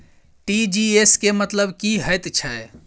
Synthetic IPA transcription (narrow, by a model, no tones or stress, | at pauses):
ʈid͡ʒieskemət̪ləbkiɦəjt̪t͡ʃʰə